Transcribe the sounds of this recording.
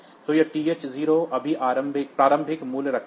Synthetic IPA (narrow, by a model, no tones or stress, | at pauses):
t̪oːjeʈiːeːt͡ʃziːɾoʔɐbʱiʔaːɾə̃mbʱɪk̚pɾaːɾə̃mbʱɪkmuːlɾɐkʰ